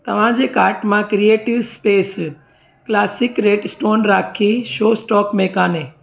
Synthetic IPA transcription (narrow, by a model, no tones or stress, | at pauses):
t̪ɐʋ̤ãd͡ʑekaːɾʈmãkɾieːʈiʋspeːs | klaːsɪkɾeːɖsʈoːnɾaːkʰiʃoːsʈɔːkmeːkaːne